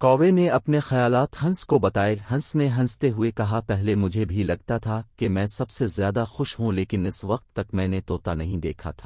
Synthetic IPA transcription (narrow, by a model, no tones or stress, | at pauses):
kɔːʋeneɐpnexɐjaːlaːt̪hɐ̃nskobɐt̪aːeɦɐ̃nsneɦɐ̃nst̪eɦʊekɐɦapɛɦlemʊd͡ʒʱebʱilɐɡ̚t̪at̪ʰakemɛ̃ːsɐbsezjaːd̪axʊʃɦũleːkɪnɪsʋɐq̚t̪ːɐkmɛ̃ːnet̪oːt̪anɐɦĩd̪eːkʰa̰t̪ʰḁː